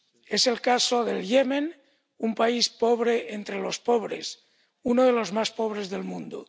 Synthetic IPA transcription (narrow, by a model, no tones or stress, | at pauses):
ese̞lkasoðeljemen | umpaispoβɾeʔent̪ɾelospoβ̞ɾḛs | unoðelo̞zmaspoβ̞ɾezðelmũnd̪o̰